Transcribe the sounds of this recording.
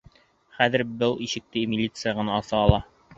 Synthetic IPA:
χæðɘ̆ɾbɤlˠiʃɘ̆k̚t̪ɘmʲɪlʲit̪sɨjaʁɤ̆nɑɑsɑːlˠɑ

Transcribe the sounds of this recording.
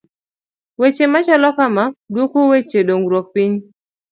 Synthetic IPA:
wet͡ʃemat͡ʃɔlɔkamadwokowet͡ʃeɗoŋɡɾwɔk̚piɲ

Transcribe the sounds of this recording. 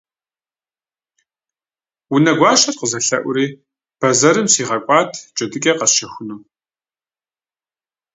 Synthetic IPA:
wunɐɡʷɑːʃɐrqəzɐɬɐ̰ʔʷʊɾiː | b̥ɐzɐɾɨmsiːʁɐkʷʼɑːtʰt͡ʃʼɐdɨkʲʼɐqɐʃɐxʷʊnuː

